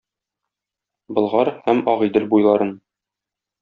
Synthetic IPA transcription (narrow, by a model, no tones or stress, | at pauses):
bɤ̆lˠʁɑɾhæmɒʁid̪ɘlbujlˠɑɾɤn